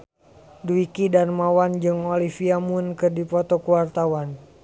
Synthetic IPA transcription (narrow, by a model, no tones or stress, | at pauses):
duikidanmawand͡ʒɨŋɔlifiamunkɨrdipɔt̪ɔkuwart̪awan